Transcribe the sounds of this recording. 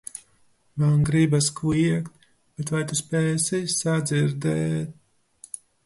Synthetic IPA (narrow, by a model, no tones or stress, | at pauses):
valnɡɾibaskliɛkt̪ | b̥ɛt̪vajt̪uspɛːsisad̪ziɾd̪ɛːt̪̚